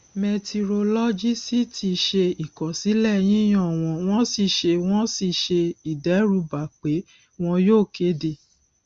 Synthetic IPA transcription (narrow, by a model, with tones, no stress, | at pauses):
me˧ti˧ɾo˧lɔ˦d͡ʒi˦si˦tʰi˧ʃe˧i˨kɔ˨si˨˦lɛ˦˨j̃ĩ˦j̃ɔ̃˦˨w̃ɔ̃˧w̃ɔ̃˦si˧ʃe˧w̃ɔ̃˦si˧ʃe˧i˨dɛ˨˦ɾu˧˦ba˨k͡pe˨˦ | w̃ɔ̃˧joː˦˨ke˨˦de˧˨